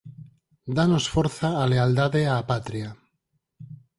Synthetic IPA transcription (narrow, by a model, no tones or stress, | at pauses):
d̪anosfoɾθaːleald̪aðeapat̪ɾia